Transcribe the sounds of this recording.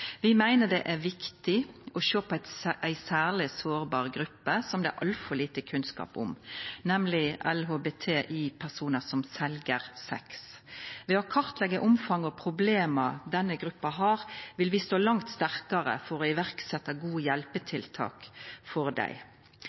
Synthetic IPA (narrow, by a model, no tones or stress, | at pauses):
ʋɪmæɪnəd̪ɛʔæʋɪkt̪ɪɔʃøːpʰɔæɪt̪ʔæɪsæːʁlɪsoːʁbɑːʁɡɾʉpːəsɔmd̪ɛʔɑlfɔliːt̪əkʰʉnskɑ̰ːpʊ̰mnɛmlɪʔɛlɦoːbeːt̪ʰeːʔiːpʰæʁsuːnəsɔmsɛlɡəʁsɛ̰ksʋeːɔkʰɑɾt̪lɛɡːəʔʊmfɑŋɔpʰɾʊbleːmɑd̪ɛnːəɡɾʉpːɑɦɑːʁʋɪlʋɪst̪oːlɑŋt̪st̪æʁkɑɾə̰fɔɾɔɪʋæɾksɛt̪ːɑɡuːəjɛlpət̪ʰɪlt̪ʰɑ̰ːkfɔɾd̪æ̰ɪ